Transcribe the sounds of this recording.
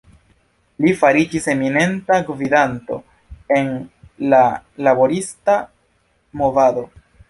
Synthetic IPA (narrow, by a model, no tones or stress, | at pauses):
lifaɾid͡ʒise̞mine̞ntaɡvidanto̞̰ | e̞n | lalabo̞ɾista | mo̞vado̞